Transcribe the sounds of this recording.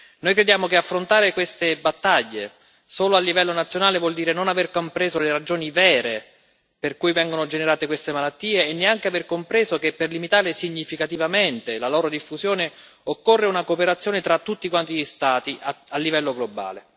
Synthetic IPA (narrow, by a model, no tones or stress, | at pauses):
nojkɾed̪jaːmok̟eafːɾont̪aːɾekwest̪ebat̪ːaʎːe | soːloalːivɛlːonat̪sːjonaːlevwɔld̪iːɾenonaverkompɾeːzoleɾad͡ʒoːnivɛːɾe | perkujvɛŋɡonod͡ʒeneɾaːt̪ekwest̪emalat̪ːiːeːnːeaŋkeaverkompɾeːzokepːerlimit̪aːɾesiɲːifikat̪ivament̪elaloːɾod̪ifːuzjoːne | okːorːeunakopeɾat̪sːjoːnet̪ɾat̪ːut̪ːikwant̪iʎist̪aːt̪iʔaalːivɛlːoɡloba̰ːle